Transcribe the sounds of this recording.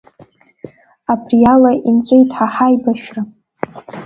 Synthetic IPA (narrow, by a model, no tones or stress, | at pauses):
apʰrijalaʔint͡sʷʼejtʰʼħaħajbaʃra